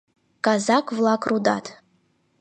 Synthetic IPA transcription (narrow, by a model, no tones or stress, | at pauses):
kʼazakʼvlˠakʰʼruda̰tʰʼ